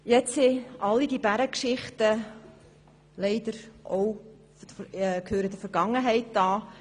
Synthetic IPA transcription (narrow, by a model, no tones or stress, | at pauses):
jɛt͡sseɑlːidibæɾəkʃɪχtə | lɛɪd̥əɾʔow | kʰhøːɾədəfəɾɡ̥ɑŋəɦɛɪt̚dɑː